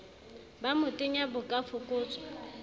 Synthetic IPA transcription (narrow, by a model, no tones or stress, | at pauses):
bamʊtʼɪɲabʊkʼafʊkʼʊːt͡sʼɔ̥